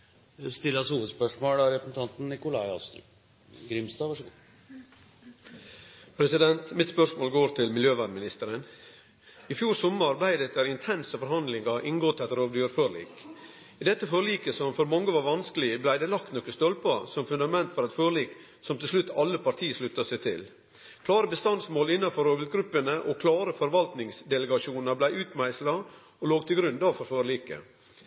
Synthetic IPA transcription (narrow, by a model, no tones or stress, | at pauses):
st̪ɪlɑshuːʋəd̪spœʂmoːɽæɾɛpəsn̩t̪ʰɑnt̪n̩nɪkʊlɑɪɑ̰st̪ | ɡɾɪmst̪ɑːʋɑ | pʰɾɛsɪd̪ɛnt̪mɪt̪spœʂmoːlɡoːɾt̪ʰɪlmɪljøːʋæd̪mɪnɪst̪əɾən | ɪfjuːɾsɔmːəɑɾbæɪd̪ɛt̪ːəɾɪnt̪ʰɛnsəfɔɾhɑnd̪lɪŋəʔɪŋɡoːt̪ʰɛt̪ːəɾoːʋd̪jøːɾføːɭḭːk | ɪd̪ɛt̪ːəføːɾɭiːkəsɔmfɔɾmɔŋːəʋɑɾʋɑnskəlɪblæɪd̪ɛlɑkt̪nɔkːəst̪ɔlpɑsɔmfʉnd̪ɑmɛnt̪fɔɾɑt̪føːɾɭiːk | sɔmt̪ʰɪlslʉt̪ːɑlːəpʰɑɾt̪ʰiːəʂlʉt̪ːɑsæɪt̪ʰɪl | kʰlɑːɾəbəst̪ɑnd̪smoːlɪnːɑfɔɾoːbɪlt̪ɡɾʉpːənəʔɔkʰlɑːɾəfɔɾʋɑlt̪nɪŋsd̪ɛləɡɑʂuːnəɑɾblæɪʉːt̪mæɪslɑ | ɔloːɡ̚t̪ʰɪlɡɾʉnd̪ɑːʋfɔɾføːɭliːkə̰